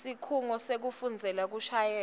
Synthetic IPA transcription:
sikʰuŋɔsek̬ufund͡zʱɛlak̬uʃʰajɛː

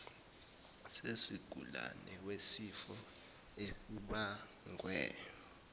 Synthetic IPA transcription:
sesiɡ̥ʱula̰nɛwesifɔ | esiɓa | ŋʱwɛːjɔ

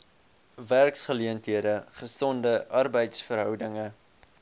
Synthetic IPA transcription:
værksχəliəntɦiədəχəsɔndəʔɐrbəjtsfərɦœwdəŋə

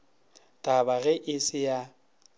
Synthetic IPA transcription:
tʼabaɣɛʔɪsɪja

